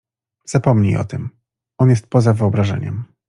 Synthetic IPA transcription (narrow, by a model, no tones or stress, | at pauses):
z̥apɔmɲḭjʔɔ̰t̪ɘm | ʔɔnjɛst̪̚pɔzavɘɔbɾaʐɛ̰ɲɛ̰m